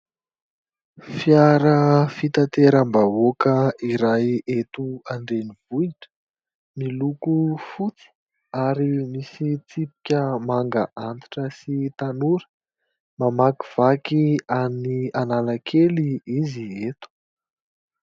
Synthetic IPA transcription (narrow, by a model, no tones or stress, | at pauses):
fjaɾəfit̪at̪eɾəmbaokəiɾajet̪uaɳɖ͡ʐeniv̥uiʈ͡ʂə̥ | milukufut͡si̥ | aɾimisit͡sipi̥kʲəmaŋɡaʔant̪i̥ʈ͡ʂəsit̪anuɾə̥ | mamakiv̥akiamnianalakʰeliiziet̪u̥